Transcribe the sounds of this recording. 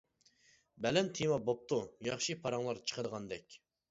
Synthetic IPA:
bɛlɛnt̪ʰimɑbop̚t̪ʰujɑχʃipʰɑɾɑŋlˠɑɾt͡ʃʰə̥qʰəd̪əʁɑnd̪ɛkʲ

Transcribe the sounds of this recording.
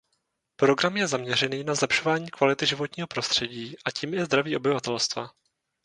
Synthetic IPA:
pɾo̞ɡɾamjɛzamɲɛr̝ɛniːnazlɛpʃo̞vaːɲiːkvalɪt̪ɪʒɪvo̞t̪ɲiːɦo̞pɾo̞st̪r̥ɛɟiːʔaciːmjɛzd̪ɾaviːobɪvat̪ɛlst̪va

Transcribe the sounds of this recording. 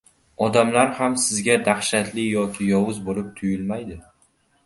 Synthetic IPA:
ɒd̪amlaɾhamsɪzɡʲad̪aχʃat̪lɪjɒkʲʰɪjɒwʊzbolɪp̚t̪ʰʊjɪlmajd̪ɪ

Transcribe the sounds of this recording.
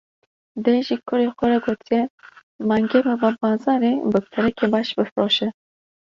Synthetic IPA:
d̪eʒikʰʊɾexɛɾaɡoːt̪ʰijɛ | maŋɡemɨbabɑːzɑɾebɨpʰɨɾɛkebɑʃbɨfɾoːʃɛ

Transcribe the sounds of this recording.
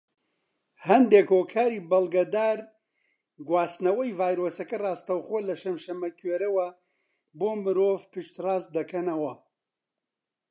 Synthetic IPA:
hɐnd̪eːkhoːkʰaːɾiːbɐlˠɡɐd̪aːɾ | ɡwaːst̪nɐwɐjvaːjɾoːsɐkɐrɑːst̪ɐwxoːlɐʃɐmʃɐmɐkʰeːɾɐwɐ | boːmɨɾoːvpɨʃt̪raːst̪d̪ɐkɐnɐwɐ

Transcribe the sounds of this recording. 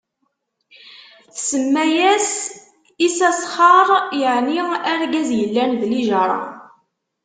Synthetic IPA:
θsəmːæjæs | isæsˤχɑɾˤjəʕniæɾɡæzjəlːænðliʒɑɾˤɑ̰

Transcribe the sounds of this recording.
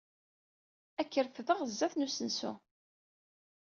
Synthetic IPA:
ækːəɾfðəʁəzːæθnusənsṵ

